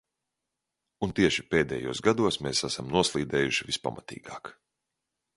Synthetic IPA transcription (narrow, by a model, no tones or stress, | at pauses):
unt̪iɛʃipeːd̪ɛ̰jṵɔsɡad̪uɔsmeːsasamnuɔslˠiːd̪ɛːjuʃivispa̰mat̪ḭːɡaːk